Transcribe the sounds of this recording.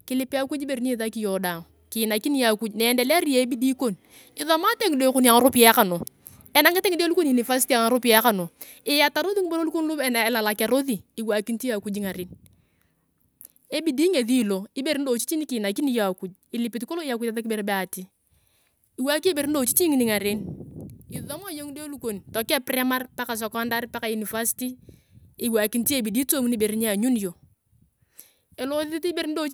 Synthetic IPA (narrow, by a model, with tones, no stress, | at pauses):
kɪ˦lɪ˦pɪ˦a˦ku˦d͡ʒi˦be˨ɾi˦ni˦ða˦ki˦jɔ˨da˨ŋ | ki˨na˨ki˦ni˦ja˨ku˦d͡ʒnɛ˨ndɛ˨lɾi˦je˨e˦bi˦di˦ko˦n | ɪ˦ðɔ˦ma˦te˦ŋ˨de˦ku˦n˦a˨ŋa˨ɾo˦pi˦a˦ka˨no˨ | ɛ˨na˦ŋɪ˦te˦ŋi˦de˦lu˦ko˦ni˨ni˨fa˦s̬i˦ti˦a˨ŋa˨ɾo˦pi˦a˦ka˨no˨ | ɪ˨ja˨ta˨ɾo˦ði˦ŋi˦bo˦lo˦lu˦ko˦n˦lu˦ɛ˨na˨ɪ˨la˨la˨ka˨ɾo˦ðiː˨wa˨ki˦n˦ti˦a˨ku˦d͡ʒi˦ŋa˨ɾɪ˦n | e˦bi˨diː˦ŋe˨ði˦˨lo˨ɪ˦be˨ɾi˦n̩˦do˨t͡ʃi˦t͡ʃi˦ni˦kiː˨na˨ki˦ni˦jo˦a˨ku˨d͡ʒ | i˨li˨pi˨t̬i˦ko˦lo˦a˨ku˦ta˦ða˦k̬ɪ˦be˨ɾbɛ˦a˨ti˦ | i˨wa˦ki˦e˦be˨ɾi˦n̩˦do˨t͡ʃi˦t͡ʃi˦ŋi˨ni˨ŋa˨ɾe˦n | ɪ˨ðɔ˦ma˦jo˦ŋ˦do˦lu˦ko˨n˨tɔ˨kɛ˦pɾɛ˦ma˦rpa˦ka˨s̬ɔ˨kɔ˦nda˦ɾpa˦ka˨ju˨ni˨fa˦si̥ti˦ | ɪ˨wa˨ki˨˦n˦ti˦e˦˨bi˨di˦to˦mu˦ni˦be˨ɾi˦ɲe˦a˨ɲu˦n˨jo˨ | e˨lo˦ɪ˦ti˦be˦ɾi˦n̩˦do˦